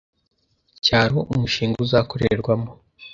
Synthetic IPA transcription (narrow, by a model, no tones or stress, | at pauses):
caːɾoʔumuʃiːŋɡuzako̞ɾḛɾɡwamo